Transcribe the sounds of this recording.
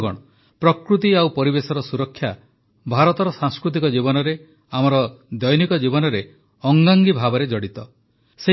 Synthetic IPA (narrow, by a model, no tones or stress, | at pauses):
ɡɔ̰ɽ̃ɔ | pɾɔkɾut̪iawpɔɾibesɔɾɔsuɾɔkʰːja | bʱaɾɔt̪ɔɾɔsaŋskɾut̪̬ikɔd͡ʒibɔnɔɾe | amɔɾɔd̪ɔjɔnikɔd͡ʒibɔnɔɾe | ɔŋɡaŋɡibʱabɔɾed͡ʒɔɽit̪ɔ | se